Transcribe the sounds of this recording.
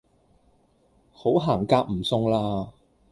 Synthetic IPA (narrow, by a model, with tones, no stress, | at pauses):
ho˨˥wɦaː˨˩ŋkaː˧k̚m̩˨˩sʊ˧ŋlaː˧˥